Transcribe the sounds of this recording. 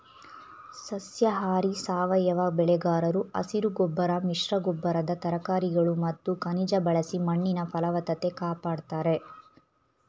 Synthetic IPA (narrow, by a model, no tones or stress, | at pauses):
sɐsjɐɦaːɾisaːʋɐjɐʋɐbɛɭɛɡaːɾɐɾuɐ̰siɾuɡɔbːɐɾɐmiʂɾɐɡɔbːɐɾɐd̪ɐt̪ɐɾɐkaːɾiɡɐɭumɐt̪ːukɐnid͡ʒɐbɐɭɐsimɐɳːinɐpɐlɐʋɐt̪ɐt̪e̞kaːpaːɽt̪aːɾe̞